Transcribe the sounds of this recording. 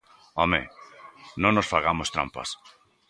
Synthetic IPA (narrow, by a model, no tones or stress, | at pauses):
omḛ | nõŋnosfaɣamost̪ɾa̰mpa̰s